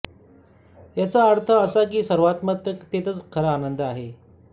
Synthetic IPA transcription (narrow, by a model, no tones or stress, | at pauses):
jat͡saːɾt̪ʰəːsak̬iːsəɾʋat̪mət̪əkt̪et̪ət͡skʰəɾəanənd̪əaɦe